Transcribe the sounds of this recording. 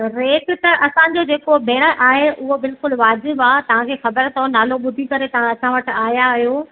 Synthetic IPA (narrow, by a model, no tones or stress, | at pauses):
ɾeːʈɪ̆t̪ɐʔɐsãd͡ʑod͡ʑeːkobʱeːɽ̃əʔaːɦeʔʊɦobɪlkʊlʋaːzɪbaːt̪ɐʋ̤ãkʰeːxɐbəɾt̪ʰonaːloɓʊd̪ʱikɐɾet̪ɐʋ̤ãɐsãʋɐʈɪ̆aːjaɦijo